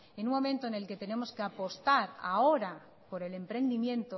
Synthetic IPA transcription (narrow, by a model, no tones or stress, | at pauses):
enũmmo̞mẽ̞nt̪oene̞lke̞t̪e̞ne̞mo̞ske̞apo̞st̪aɾa̰o̞ɾa | po̞ɾe̞le̞mpɾe̞nd̪imjẽ̞nt̪o